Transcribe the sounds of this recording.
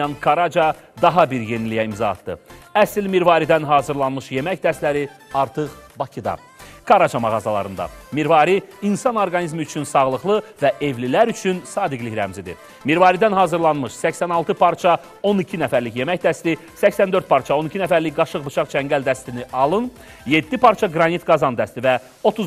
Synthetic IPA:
ɑnkʰɑɾɑd͡ʒɑ | d̪ɑɦɑbiɾje̞nilijæimzɑɑ̰t̪d̪ɯ̰æsilmiɾvɑːɾid̪ænɦɑːzɯɾlˠɑnmɯʃje̞mæçd̪æst̪læɾiɑɾt̪ʰɯχbɑcʰid̪ɑ̰ | kʰɑɾɑt͡ʃʰɑmɑʁɑzɑlˠɑ̰ɾɯnd̪ɑ̰miɾvɑɾiːnsɑnoɾɡɑnizmiyt͡ʃʰynsɑʁlˠɯχlˠɯvæʔe̞vlilæɾyt͡ʃʰynsɑːd̪iɡliçɾæ̰mzid̪ḭ | miɾvɑɾid̪ænɦɑːzɯɾlˠɑnmɯʃsæçsænɑlˠt̪ʰɯpʰɑɾt͡ʃʰɑ | o̞nicʰinæfæɾliçje̞mæçd̪æst̪i | sæçsænd̪ø̞ɾt̪̚pʰɑɾt͡ʃʰɑo̞nicʰinæfæɾliçɡɑʃɯʁbɯt͡ʃʰɑχt͡ʃʰæɲŋɟæld̪æst̪iniʔɑlˠɯn | je̞d̪ːipɑɾt͡ʃʰɑɡɾɑnit̪ɡɑzɑnd̪æst̪ivæ | o̞t̪ʰuz

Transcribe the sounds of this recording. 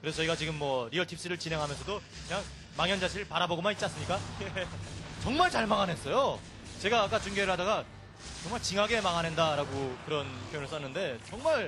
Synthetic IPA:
kɯɾe̞sʰʌiɡat͡ɕiɡɯmːwʌɾiʌtʰip̚s͈ɯɾɯɭt͡ɕinɦe̞ŋɦamjʌnsʰʌdo | kɯɲaŋ | maŋjʌnd͡ʑaɕʰiɯɭpaɾaboɡomanit̚t͡ɕ͈ans͈ɯmɲik͈ajet͡ɕʌŋmaɭt͡ɕaɭmaŋanɦe̞s͈ʌjo | t͡ɕe̞ɡaːk͈at͡ɕuŋɡeɾɯɭɦadaɡa | t͡ɕʌŋmaɭt͡ɕiŋɦaɡe̞maŋanɦe̞ndaɾaɡokɯɾʌnpʰjojoŋɯɭs͈ʌnːɯnde̞t͡ɕʌŋmaɭ

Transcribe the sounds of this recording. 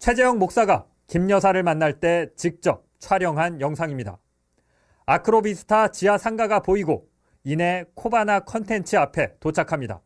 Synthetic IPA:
t͡ɕʰwe̞d͡ʑe̞jʌŋmok̚s͈aɡa | kimɲʌs̬ʰaɾɯɭmanːaɭt͈e̞t͡ɕik̚t͡ɕ͈ʌp̚t͡ɕʰwaɾjʌŋɦanjʌŋsʰaŋimɲida̰ | akʰɯɾobisʰɯ̥tʰat͡ɕiasʰaŋɡaɡapoiɡo | ine̞kʰobanakʰʌntʰe̞nt͡ɕʰɯapʰe̞tot͡ɕʰakʰamɲida̰

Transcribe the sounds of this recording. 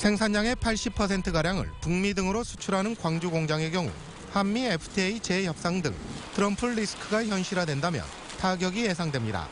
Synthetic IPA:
sʰe̞ŋsʰaɲɲaŋe̞pʰaɭɕ͈ipʰʌsʰe̞ntʰɯɡaɾjaŋɯ̰ɭpuŋmidɯŋɯɾosʰu̥t͡ɕʰuɾɦanɯnkwaŋd͡ʑuɡoŋd͡ʑaŋe̞kjʌŋṵ | hamːiepʰɯ̥tʰeit͡ɕe̞jʌp̚s͈aŋdɯ̰ŋtʰɯɾʌmpʰɯɭːisɯ̥kʰɯɡaçjʌnɕʰiɾɦadwe̞ndamjʌ̰n | taɡjʌɡije̞sʰaŋdwe̞mɲida̰

